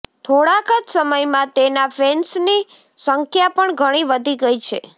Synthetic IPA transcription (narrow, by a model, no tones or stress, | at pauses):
t̪ʰoɽakəd͡ʒsəməjmãt̪enafensni | səŋkʰjapəɳɡʱəɽ̃iʋəd̪ʱiɡəjt͡ʃʰe